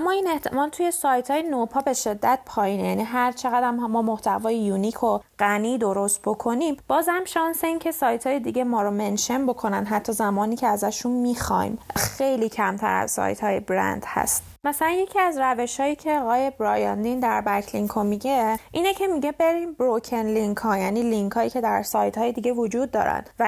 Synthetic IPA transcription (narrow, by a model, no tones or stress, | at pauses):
æmːɒiːne̞ht̪ʰemɒːlt̪ʰuje̞sɒːjt̪ʰhɒːjenopʰɒːbe̞ʃe̞d̪ːæt̪̚pʰɒːjiːnejæniːɦæɾt͡ʃʰe̞ɣæd̪æmɦmːɒːmoht̪ʰævɒːjejunikʰo̞ɢ̥æniːd̪o̞ɾo̞st̪̚bo̞kʰo̞nimb̥ɒːzhæmʃɒnse̞iːncʰe̞sɒːjt̪ʰhɒːjed̪iɟe̞mɒːɾomenʃe̞mbo̞kʰo̞nænɦæt̪ʰːɒːzæmɒːniːcʰeæzæʃunmixɒ̰jmxejliːcʰæmt̪ʰæ̰ɾæ̰zsɒ̰ːjt̪ʰhɒːjebɾæ̰nd̪̥hæ̰st̪ | mæsælænjecʰiæzræve̞ʃhɒːjiːcʰe̞ɒɣɒːjebɾɒːjɑnd̪ind̪æɾbækʰliŋkʰomiɟe̞ʔiːnecʰe̞miɟe̞be̞ɾiːmbɾocʰenliŋkʰɒːjæːniːliŋkʰhɒːjiːcʰe̞d̪æɾsɒːjt̪hɒːjed̪iɟe̞vod͡ʒuːd̪̚ːɒ̰ːɾæ̰nvæ